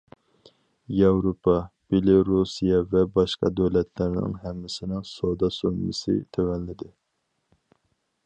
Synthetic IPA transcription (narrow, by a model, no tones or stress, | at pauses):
jɑwɾopʰɑb̥elɪɾusijɛvɛbɑʃqɑ̰d̪øwlɛt̪ʰlæɾnɪ̰ŋɦɛmːɪsɪnɪŋsod̪ɑsommɪ̰sɪ̰t̪ʰøwɛnlɪd̪ɪ